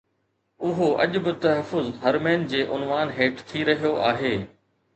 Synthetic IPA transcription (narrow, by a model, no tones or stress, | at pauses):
ʊɦoɐ̰ʄʊ̆bɪt̪ɐɦəfːʊzɦɐɾmeːnd͡ʑeːʔʊnʋaːnɦeːʈt̪ʰiɾɐɦijoʔaːɦeː